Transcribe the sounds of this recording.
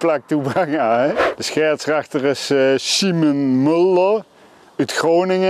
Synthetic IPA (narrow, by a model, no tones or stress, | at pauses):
plak̚tubakaɛd̥əsxɛːɹtsraxtərɪssimənmɵldəɹ | ytxrownɪŋə